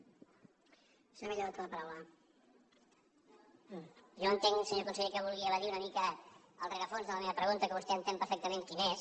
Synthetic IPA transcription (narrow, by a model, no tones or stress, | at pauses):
semeʎəat̪unɐpɐɾawlə | ʒoənt̪eŋsəɲokunsəʎekəβulˠɣiəβəðiunəmikə | əlˠreɣəfonzðələmeβəpɾəɣunt̪əkəβust̪eənt̪empəɾfɛk̚t̪əmẽŋkines